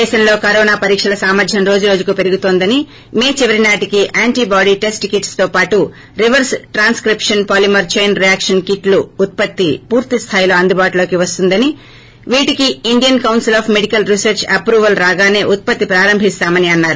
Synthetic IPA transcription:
ɛːʃɐmlo̞ːkɐɾɔːnaːpɐɾiːkʂɐlɐsaːmɐɾd̪ʱjɐmɾo̞ːd͡ʒuɾo̞ːd͡ʒukupe̞ɾuɡut̪oːnd̪ɐni | me̞ːt͡ʃiʋɐɾinaːʈikiʔaːɳʈiːbaːɖiːʈe̞sʈikiʈst̪oːpaːʈu | ɾiʋɐɾsʈɾaːnskɾipʂɐnpaːlimɐɾt͡ʃejnɾijaːkʂɐnkiʈluːt̪̚pɐt̪ːipuːɾt̪ist̪ʰaːjlo̞ːɐnd̪ubaːʈulo̞ːkiʋɐst̪und̪ɐni | ʋiːʈikiːɳɖijɐnkɐwnsilaːpʰmeɖikɐlɾisɐɾt͡ʃɐpɾuːʋɐlɾaːɡaːne̞ːʔut̪̚pɐt̪ːipɾaːɾɐmbʱist̪aːmɐniɐnːaːɾu

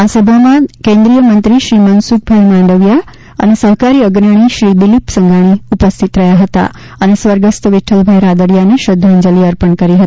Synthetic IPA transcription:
asəbʱəmãkẽnd̪ɾijəmənt̪ɾiʃɾimənsuk̚bʱəjmãɳɖəʋja | ə̰nesəɦkaɾiəɡnəɽ̃iʃɾid̪ilipsəŋɡaɽ̃iupəst̪ʰit̪ɾəjaɦət̪a̰ | ənesʋəɾɡəst̪ʰəʋiʈʰəlbʱəjɾad̪əɽjaneʃəd̪ʱːand͡ʒəliəɾpəɳkəɾiɦət̪i̥

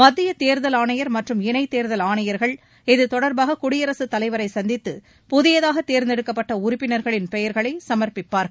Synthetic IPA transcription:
mɐd̪ːɪjɐt̪eːɾðɐlaːnɐjɐɾmɐʈrɯmɪnɐɪt̪eːɾðɐlaːɳɐjɐɾɣɐɭ | ɪðɯt̪ɔɽɐɾbaːɣɐkʊɽɪjɐɾɐsɯt̪ːɐlɐɪʋɐɾɐɪsɐnd̪ɪt̪ːɯ | pʊðɪjɐðaːɣɐt̪ːeːɾnd̪ɛɽɯkːɐpːɐʈːɐʊɾʊpːɪnɐɾɣɐɭɪnpɛjɐɾɣɐɭɐɪsɐmɐɾpɪpːaːɾɣɐ

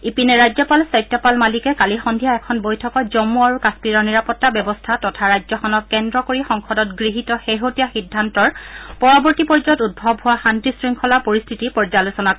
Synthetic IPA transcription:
ipinɛɹajzɔpalsɔjtːɔpalmalikɛkalixɔndʱijaɛkʰɔnbojtʰɔkɔtzɔmuaɹukaspiɹɔɹniɹapɔtːabjɛbɔstʰatɔtʰaɹajzɔxʰɔnɔkkːɛndɹɔkoɹixɔŋkʰɔdɔtɡɹiɦitɔxeɦotijaxidʱːantɔɹpɔɹɔbɔɹtipɔɹd͡ʒɔtud̚bʱɔbɦʊwaxantisɹiŋkʰɔlaɹpoɹistʰitipɔɹzalusɔnak

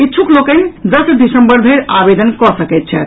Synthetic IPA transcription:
itːt͡ʃʰuklokənd̪əsɖisəmbəɾbʱeɾabed̪ənkɔsəkɛt̪̚t͡ʃʰɛ

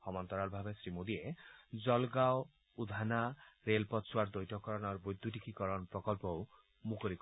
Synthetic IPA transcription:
hɔmɔnt̪ɔɾalbʱabesɾimod̪ied͡ʒɔlɡao | ud̪ʱanaɾelpɔt̪sʰwaɾd̪ɔjʈɔkɔɾɔnɔɾbojd̪ʱuʈikikɔɾɔnpɾɔkɔlpɔw | mukɔɾik

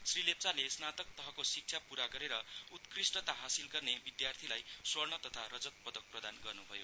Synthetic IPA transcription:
srilep̚t͡salesnat̪ʌk̚t̪ʌɦʌkosik̚t͡sʰapuɾaɡʌɾeɾʌut̪krisʈʌt̪aɦasilɡʌrnebid̪jart̪ʰilajswʌrnʌt̪ʌt̪ʰaɾʌd͡zʌt̪̚pʌd̪ʌk̚prʌd̪anɡʌrnubʱʌjo

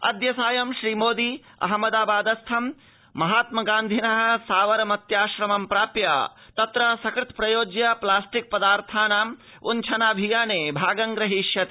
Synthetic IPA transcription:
ɐ̰d̪jɐsaːjɐmʃɾiːmoːd̪i | ɐ̰ɦmɐd̪aːbaːd̪ɐst̪ʰɐm | mɐɦaːt̪mɐɡaːnd̪ʱinɐɦɐ̆saːʋɐɾɐmɐt̪jaːʃɾɐmɐmpɾaːpja̰ːt̪ɐt̪ɾɐsɐkɾɪt̪pɾɐjoːd͡ʒjɐplaːsʈik̚pɐd̪aːɾt̪ʰaːnaːm | ṵnt͡ʃʰɐnaːbʱijaːneːbʱaːɡɐŋɡɾɐɦiʃjɐt̪ː

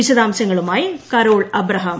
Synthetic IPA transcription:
iɕɐðaːmɕɐŋːɐɭumaːjikɐɾoːɭɐbɾɐɦɐm

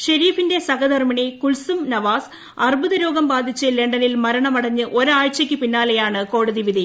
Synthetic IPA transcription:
ɕɐɾiːfinde̞sɐɣɐd̪ɐrmɐɳikulsumnɐʋaːs | ɐrbʱuðɐɾo̞ːɡɐmbaːd̪ʱit͡ɕːɨle̞ɳɖɐnilmɐɾɐɳɐmɐɽɐɲːɨʔo̞ɾaːɻt͡ɕːɐkʲːɨpinːaːlejaːɳɨko̞ːɽɐðiʋiði

